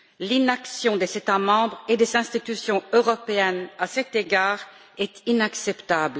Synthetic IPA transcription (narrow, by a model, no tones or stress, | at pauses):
linaksjɔ̃d̪ezet̪amɑ̃bʁed̪ezɛ̃st̪it̪ysjɔ̃øʁɔpeɛnasɛt̪eɡaːʁ | ɛt̪inaksɛpt̪abl